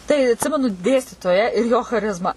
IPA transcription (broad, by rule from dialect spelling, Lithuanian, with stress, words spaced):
tɐɪ ɐtʲˈsʲɪmʲɛnʊ ˈdʲeːsʲtʲiːtoːjæː ɪr joː xɐˈrʲɪzmɑː